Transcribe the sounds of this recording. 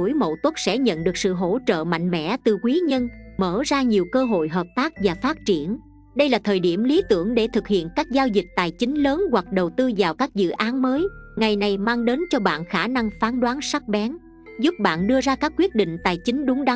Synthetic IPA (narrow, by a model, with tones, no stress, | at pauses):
u˧˩˦jmo̰˧˨t̪ə˦˥t̚sɛ̰˧˥ɲə̰˧˨nɗɨ˨˩k̚sɨ̰˧˨ɦo˧˥t͡ɕə̰ː˧˨ma̰˧˨jŋ̟mɛ̰˧˥t̪ɨ˨˩kwi˨˦ɲə˧nməː˧˩zaː˧ɲi˨˩əwkəː˧ɦo̰˧˨jɦəː˨˩p̚t̪aː˦˥k̚vaː˨˩faː˦˥t̚t͡ɕi˧˩ən | ɗə˧jlaː˨˩t̪ʰəː˨˩jɗi˧˩əmli˨˦t̪ɨ˧˩əŋɗe˧˩t̪ʰɨ˨˩k̚hḭ˧˨ənkaː˦˥k̚zaː˧wzi˨˩k̟̚t̪a̰ː˨˩jt͡ɕï˨˦ŋ̟ləː˨˦nwa˨˩k̚ɗə˨˩wt̪ɨ˧vaː˨˩wkaː˦˥k̚zɨ̰˧˨ʔaː˨˦nməː˨˦jŋa˨˩jna˨˩jmaː˧ŋɗe˨˦nt͡ɕɔ˧ɓa̰ː˧˨nxaː˧˩na˧ŋfaː˨˦nɗwaː˨˦nsa˦˥k̚ɓɛ˨˦n | zʊ˦˥p̚ɓa̰ː˧˨nɗɨ˧əzaː˧kaː˦˥kːwi˦˥ət̚ɗḭ̈˧˨ŋ̟t̪a̰ː˨jt͡ɕï˨˦ŋ̟ɗʊ˨˦ŋ͡mɗa˨˦